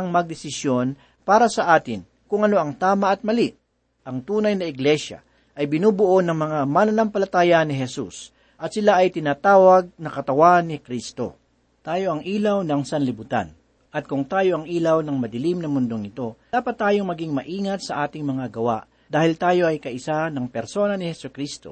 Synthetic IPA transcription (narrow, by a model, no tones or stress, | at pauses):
ɐŋmɐɡ̚d̪ɪsɪsjo̞n | paːɾɐsɐʔaːt̪ɪn | kʊŋɐno̞ʔɐŋt̪aːmɐʔɐt̪̚mɐliʔ | ʔɐŋt̪uːnɐjnɐɪɡlɛʃjɐ̰ | ʔɐjbɪnuːbʊʔo̞nɐŋmɐŋamanɐnɐmpɐlɐt̪aːjɐnɪɦɛsus | ʔɐt̪sɪlaʔɐjt̪ɪnaːt̪aːwɐɡ̚nɐkɐt̪ɐwanːɪkɾist̪o̞̰ | t̪aːjo̞ʔɐŋʔiːlɐwnɐŋsɐnlɪbʊt̪a̰n | ʔɐt̪̚kʊŋt̪aːjo̞ʔɐŋʔiːlɐwnɐŋmɐd̪ɪlimnɐmʊnd̪oŋnɪt̪o̞d̪aːpɐt̪ːaːjo̞ŋmɐɡiŋmɐʔiːŋɐt̪̚sɐʔaːt̪ɪŋmɐŋaɡɐwa̰ʔ | d̪aːhɪlt̪aːjo̞ʔɐjkɐʔɪsanɐŋpɛɾso̞nɐnɪhɛsʊkɾist̪o̞̰